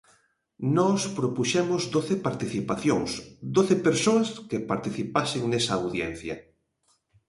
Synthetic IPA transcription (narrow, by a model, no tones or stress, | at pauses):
nɔspɾopuʃɛmʊzðoθepaɾt̪iθipaθjoŋsd̪oθepeɾsoɐskepaɾt̪iθipasɪŋnesɐːwðjɛn̟θjɐ